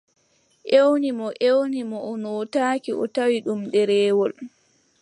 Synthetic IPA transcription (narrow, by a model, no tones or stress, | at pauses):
ʔewnimɔʔewnimɔɔnɔtaːkiʔɔ̰tawiɗumɗɛɾɛːwɔl